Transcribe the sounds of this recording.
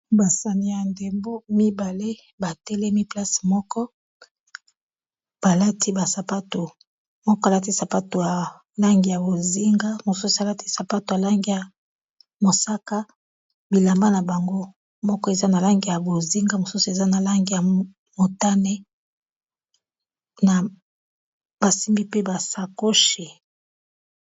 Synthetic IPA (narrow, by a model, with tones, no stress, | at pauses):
ba˨sa˨ni˦ja˨nde˨mbo˦mi˦ba˨le˦ | ba˨tɛ˦le˦mi˦pla˦smɔ˦kɔ˦ | b̥a˨la˦tʰi˦ba˨sa˨pa˦to˨ | mɔ˦kɔ˦a˨la˦t̬i˦sa˨pa˦to˨ja˨ | la˦ŋɡi˨ja˨bo˨zi˦ŋɡa˦mo˨su˦su˨a˨la˦ti˦sa˨pa˦to˨ja˨la˦ŋɡi˨ja˨ | mo˨sa˦ka˦ | bi˨la˨mba˦na˨ba˨ŋɡo˦ | mɔ˦kɔ˦e˨za˦na˨la˦ŋɡi˨ja˨bo˨zi˦ŋɡa˦mo˨su˦su˨e˨za˦na˨la˦ŋɡi˨ja˨ | mo˨ta˦nɛ˦ | na˨ | b̥a˨si˦mbi˦pe˦ba˨sa˨ko˦ʃi˨